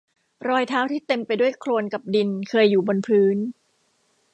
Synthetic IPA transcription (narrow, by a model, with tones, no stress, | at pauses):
ɾɔː˧jt̪ʰaː˦˥wt̪ʰiː˥˩t̪e˧mpa˧jdu˥˩əjkʰloː˧nka˨˩p̚di˧nkʰɤː˧jːuː˨˩bo˧npʰɯː˦˥n